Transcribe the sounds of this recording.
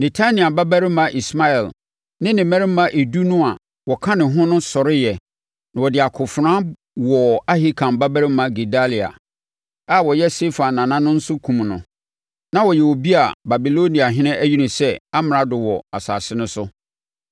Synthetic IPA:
ne˨tʰa˦nĩ˨a˨ba˦bæ˦ɾɪ˦mã˨ʔi˨sma˦ɛ˨l | nɪ̃˦nɪ̃˨mɛ̃˦ɾɪ˦m̩˦mã˦ʔe˨du˦nʊ̃˦a˨ | wɔ˨kʰã˦nɪ̃˨ɦʊ̃˦nʊ̃˦sɔ˨ɾɪ˦jɛ˨ | nã˨wɔ˨dɪ˨a˨kʰʊ˨fʊ˨ɾã˦ | wɔ˨a˦ɦi˦kʰã˨mba˦bæ˦ɾɪ˦mã˦ɡe˨da˦li˨a̰˨ | a˦wɔ˨jɛ˦se˦fã˨nː˨ã˨nã˦nʊ̃˦n̩˦sʊ˦kʰũ˨m˨nʊ̰̃˨ | nã˦wɔ˨jɛ˨wo˨bi˦a˨ba˨bi˨lo˦nĩ˨a˨ɦɪ̃˦nɪ̃˦ʔæ˦ji˦nʊ̃˨sɛ˦a˦mɪ̃˨ɾa˨dʊ˨wɔ˨a̰˨sa̰ː˨sɪ˦nʊ̃˦sʊ˦

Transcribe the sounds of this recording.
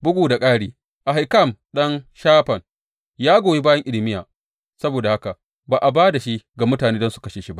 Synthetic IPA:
bʊ˦ɡʷuː˨da˨kʼaː˦ɽiː˨ | ʔa˨ɦa˨jka˦˨mɗɐ˦nʃaː˦ɸɐ˨n | jaː˦ɡʷoː˨ji˦baː˦jɐ˦ŋʔɪ˦lɪ˨mɪ˦jaː˨ | sɐ˦boː˨da˨ha˦ka˨ | baː˨ʔa˨baː˦da˨ʃi˦ɡa˨mʊ˦taː˨neː˦dɔ˦nsu̥˨kɐ˦ʃeː˨ʃi˦ba˦ʔ

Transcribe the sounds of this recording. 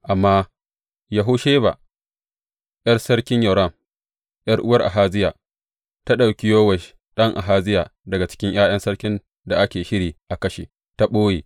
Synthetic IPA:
ʔa˨mːaː˦ | ja˨ɦʊ˦ʃeː˦ba̰˨ | jɐ˦rsɐ˦ɽkʲɪ˦ɲjɐ˨ɾɐ˦˨m | jɐ˦rʔʊ˦wɐ˦rʔa̰˨ɦaː˦d͡ʒɪ˦jaː˨ | ta˦ɗa˨wkʲɪ˦joː˦wɐ˨ʃ | ɗɐ˦ŋʔa̰˨ɦaː˦d͡ʒɪ˦jaː˨dɐ˨ɡa˨t͡ʃɪ̥˦kʲɪ˦ŋʔj̰aː˦j̰ɐ˦nsɐ˦ɽkʲɪ˦n | da˨ʔa˦kʲeː˨ʃɪ˦ɽiː˨ʔa˨kɐ˦ʃḛː˨ | ta˦ɓoː˦jeː˨

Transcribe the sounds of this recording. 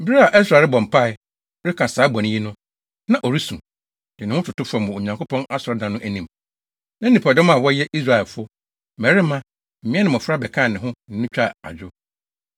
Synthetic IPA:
m̩˦bi˦ɾa˦a˨ʔɛ˦s̬ɾa˨lbɔ̃˨m̩˨pʰa˦˨ɪ˨˦ | ɾɪ˦kʰã˨saː˨˦bɔ̃˨nɪ̃˦ji˦nʊ̃˦ | nã˦ʔɔ˨ɾi˦sũ˨ | d̥ɪ˨nɪ̃˨˦ʊ̃˦tʰʊ˨tʊ˦fɔ˨mʊ̃˨o˨ɲã˨ŋko˦pʰɔ̃˦na˦sɔ˨ɾɔ˦dã˨nʊ̃˦ʔæ˨nĩ˨m | nã˦n̩˦nĩ˨pʰa˨dɔ̃˦mã˦˨wɔ˦jɛ˦ʔi˦s̬ɾa˨ɛ˨lfʊ˦ | mɛ˨ɾɪ˦mã˦ | m̩˨mĩ˦ɛ˦nɪ̃˨m˨ɔ˨fɾa˦bɛ˨kʰã˦˨nɪ̃˨ɦʊ̃˦ñ̩˨nʊ̃˦t͡ɕᶣa˦˨a̰˨d͡ʑᶣʊ˦

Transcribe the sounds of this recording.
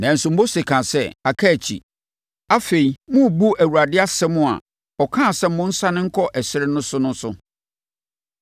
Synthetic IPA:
nã˨n̩˨sũ˨m˦bo˦sɪ˨kʰã˨sɛ˦a˨kʰa˦˨t͡ɕʰḭ˨ | a˦fe˨i˨mʊ̃˦˨bu˦æ˨wu˨a˨dɪ˦a˦sɛ˦mʊ̃˦a̰˨ | ɔ˨kʰãː˦˨sɛ˦m̩˦mʊ̃˦n̩˦sa˦nɪ̃˦ŋ̩˦kʰɔ˦ʔɛ˨sɪ˦ɾɪ˦nʊ̃˦sʊ˦nʊ̃˦sʊ̰˦

